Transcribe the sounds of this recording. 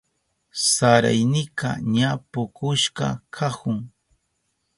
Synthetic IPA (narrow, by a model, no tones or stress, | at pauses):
saɾa̰jnɪka̰ɲapʊkʊʃkɑ̰kʰahʊŋ